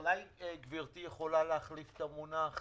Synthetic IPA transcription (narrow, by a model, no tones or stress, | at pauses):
lajeɡviʁt̪ijeχolaleaχlift̪amunaχ